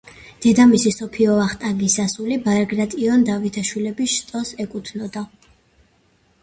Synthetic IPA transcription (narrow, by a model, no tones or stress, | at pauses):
d̪̥ɛd̪amisisɔpʰiɔaχt̪ʼaɡisasulibaɾɡɾat̪ʼiɔnd̪avit̪ʰaʃwilɛbist̪ʼɔsɛkʼut̪ʰnɔd̪a